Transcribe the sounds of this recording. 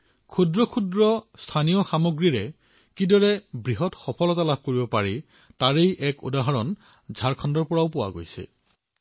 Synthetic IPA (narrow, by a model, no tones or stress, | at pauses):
kʰudɹɔkʰudɹɔstʰanijɔxamoɡɹiɹɛ | kidɔɹɛbɹiɦɔtxɔpʰɔlɔtalab̚ʱkoɹibɔpaɹi | taɹejʔɛkṵdaɦaɹɔn | zʱaɹkʰɔndɔɹpɔɹaʊpʊwa̰ɡo̰jsɛ̰